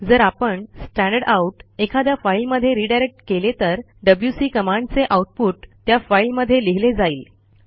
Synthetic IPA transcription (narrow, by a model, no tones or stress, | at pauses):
d͡zəɾapəɳsʈæ̃ɳɖəɽauʈekʰad̪jafailməd̪ʱːjeɾiːɖajɾek̚ʈkelet̪əɾ | ɖəbljusiːkəmãɳɖt͡seʔawʈ̚puːʈt̪jafailməd̪ʱːjeliɦiled͡zaiːl